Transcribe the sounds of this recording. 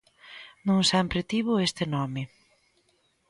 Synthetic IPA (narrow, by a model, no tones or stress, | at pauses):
nũŋsɛmpɾɪt̪iβʊest̪ɪnɔmɪ